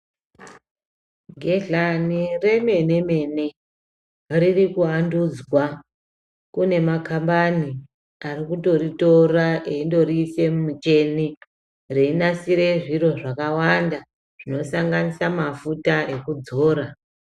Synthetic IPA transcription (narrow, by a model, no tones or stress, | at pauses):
ɡʱe̞ɮanire̞me̞ne̞me̞ne̞ | ririkuandud͡zwa | kune̞makambani | arikuto̞rito̞raʔeindo̞ɾiːse̞mumut͡ʃe̞ni | reinasiɾe̞ʐiɾo̞ʐakawanda | ʐ̥ino̞saŋɡanisamafutae̞kud͡zo̞ːɾa